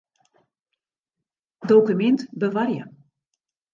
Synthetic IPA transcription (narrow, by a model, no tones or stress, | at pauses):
dowkymɛntbəʋarjə